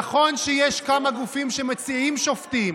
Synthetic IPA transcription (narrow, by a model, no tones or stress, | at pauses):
χo̞nʃejeʃkamaɡufimʃemet͡siimʃoftim